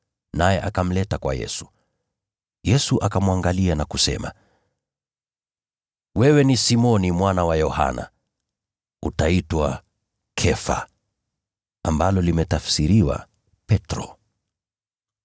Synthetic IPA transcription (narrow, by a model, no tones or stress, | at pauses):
najɛʔakam̩lɛtakwa̰jɛ̰su̥ | jɛsuʔakamwaŋɡalianakusɛ̰ma̰ | wɛwɛnisimɔnimwanawajɔha̰na̰ | utaitwa | kʰɛfa̰ | ambalɔlimɛtafsiɾiwa̰ | pɛtɾɔ̰